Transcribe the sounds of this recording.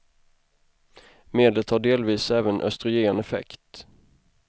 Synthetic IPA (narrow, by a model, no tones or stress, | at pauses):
meːd̪lət̪haɖeːlviːsɛːvənʔœ̰st̪ɾʏeːnɛfɛ̰kt̪